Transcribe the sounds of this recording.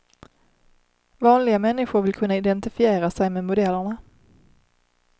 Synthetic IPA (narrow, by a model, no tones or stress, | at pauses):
vɑːnlɪɡamɛnːɪɧʊɾvɪlkʰɵnːaɪd̪ɛnt̪ɪfɪeːɾasɛjmeːdmʊd̪ɛlːəɳa